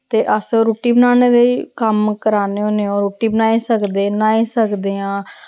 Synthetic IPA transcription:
t̪eːʔəsoɾoːʈiːbənaːneːd̪ekəmkəɾaːneːɦoːneoːɾoːʈiːbənaːiːsəkd̪eːnaːiːsəkd̪eːãː

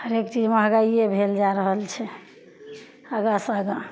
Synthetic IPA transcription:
həɾekt͡ʃid͡ʒmeɦəɡaiebʱeld͡ʒaɾəɦəlt͡ʃʰɛ | əɡasaɡa

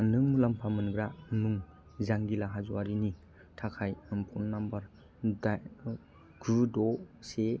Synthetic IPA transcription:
nɯŋlampʰamɯnɡɾanuŋ | zaŋɡilaɦazuwaɾini | tʰakʰajmpʰɔnːambaɾ | da | ɡ̥ɾudɔse

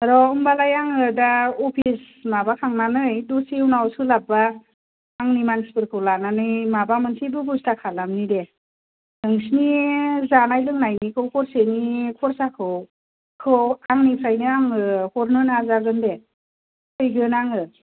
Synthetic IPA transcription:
aɾɔɯmbalajaŋɯdaɔpʰis | mabakʰaŋnanɯjdusiwnawsɯlab̚aː | ŋnimanspɯɾkʰɯwlananɯjmabamɯnsʰibɯbustakʰalamnide | ɯŋsnizanajlɯŋnajnikʰɯwkʰɔɾsenikʰɔɾsakʰɯw | kʰɯwaŋnipʰɾajniaŋɯhɔɾnɯnazaɡɯnde | kʰɯjɡɯnaŋɯ

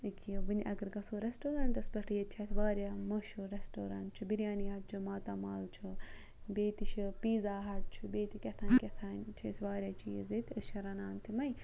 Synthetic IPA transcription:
ɨkʰiʋɨnʲʔɐɡɐɾɡɐsoɾesʈoːɾɐɳʈɐspɐʈijet̪̚t͡ʃʰɐsʋaːɾjaːmoʃuɾesʈoːɾa̰ɳʈt͡ʃʰubiɾʲjaːnijaːt̪̚t͡ʃʰumaːt̪aːmaːlt͡ʃʰu | bʲeːt̪it͡ʃʰipiːzaːɦɐʈ̚t͡ʃʰubeːt̪ikʲɐt̪ʰaːnʲkʲɐt̪ʰaːnʲt͡ʃʰɐsʋaːɾʲjaːt͡ʃij̰zet̪ʰɨsʃʰɐɾɐnaːnt̪ʰimɐj

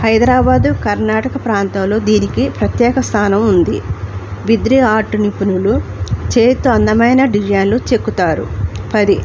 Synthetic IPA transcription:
hɐjd̪ɾaːbaːd̪ukɐɾnaːʈɐkɐpɾaːnt̪ɐmlo̞ːd̪iːnikipɾɐt̪jɛːkɐst̪ʰaːnɐmund̪ḭbid̪ɾiaːʈunipunulut͡ʃeːt̪ɐnd̪ɐmɐjnɐɖid͡ʒɐnlut͡ʃe̞kːut̪aːɾṵpɐd̪i

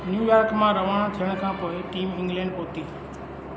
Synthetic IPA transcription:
njuːjaːɾkmãːɾəʋaɳ̃t̪ʰɪjəɽ̃kʰãːpoːɪʈiːmɪ̃ŋɡlɛ̃ːɳɖpoːt̪iː

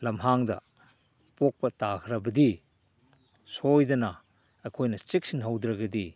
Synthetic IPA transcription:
lɐmɦaŋdɐ̰ | pok̚pɐtakʰɾɐbɐdi | sojdɐnɐː | kʰojnɐt͡ʃik̚sinɦɐwd̪ɾɐɡɐdi

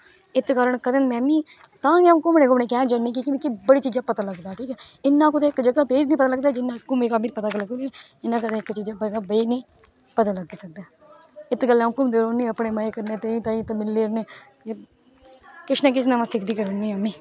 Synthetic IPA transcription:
ɪt̪kəɾəɳkəd̪ənmɛ̃ːmĩː | t̪ãːɡẽkʊmnẽːkʊmnẽːk̬ɛːd͡ʒəneːk̬ikɪmiːkibəɽiːt͡ʃiːd͡ʒaːpət̪aːləɡd̪aːʈʰiːkɛːɪnːãːkʊt̪ẽɪkd͡ʒəɡaːbeːd͡ʒnĩːpət̪aːləɡd̪aːd͡ʒɪnːaskʊmeːkaːmiːɾipət̪aːkləɡoːniɪnːãːk̬əd̪eɪkt͡ʃiːd͡ʒaːbəɡaːbeinĩː | pət̪aːləɡiːsək̚d̪aː | ɪt̪ːɡəlːkʊmd̪eːɾoːnːĩːəpɳeːməekəɾneːt̪eĩːt̪ãːĩːt̪ːmɪlːeːɾneː | kɪt͡ʃnãːk̬ɪt͡ʃnãːmãːsɪkʰd̪iːkəɾoːnĩːəmiː

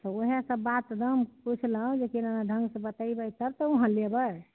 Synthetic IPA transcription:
t̪ɔoɦesəbːat̪d̪əmput͡ʃʰləõd͡ʒekinənaɖʱə̃ŋɡsə̃bət̪aibəjsəbt̪ɔuɦə̃lebə

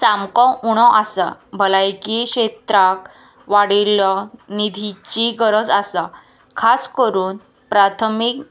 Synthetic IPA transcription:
samkɔ̃uɽ̃ɔ̃ʔasa̰bʱəlajkikɕet̪ɾak | ʋaɽilɔnid̪ʱit͡ɕiɡəɾəd͡zasa | kʰaskəɾuːn | pɾat̪ʰəmik

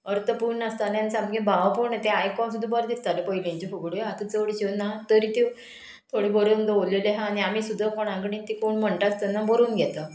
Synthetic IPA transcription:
əɾt̪əpuːɳast̪alansamɡẽbaʋpoɳẽt̪ẽajkɔsud̪ʱːũbəɾd̪ist̪alepəɦilɲt͡ɕefoɡɽeat̪ət͡səʋɽiɕinːat̪əɾit̪iw | t̪ʰoɽebəɾuːnd̪əʋleleɦãːɽ̃iamisud̪ʱːəkoɽ̃ãŋk̬əɽĩt̪ikoɳm̤əɳʈast̪ənːabəɾuːnɡʱɛt̪a

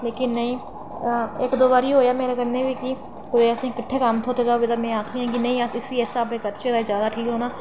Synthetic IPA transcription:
leːkɪnːəĩː | ɪkd̪oːbaːɾiːɦoːjaːmeːɾeːkəneːʋiːkiː | kʊd̪eːəsĩːɪkɪʈʰːeːkamt̪ʰoːt̪eːd̪aːbɪd̪aːmɛ̃ːaːkʰiːãːkɪnəĩːəsɪsiːɛːsaːbekəɾt͡ʃeːd̪aːd͡ʒaːd̪aːʈʰiːkɾoːnaː

